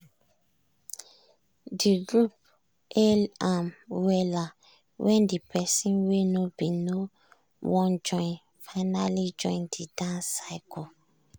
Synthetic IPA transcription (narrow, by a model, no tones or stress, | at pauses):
diɡlup | ɛlamwɛla | wʔɛndipʰɛsĩnwenobino | wɔ̃nd͡ʒɔ̃in | fanalid͡ʒɔ̃ĩndidãnsajkɔ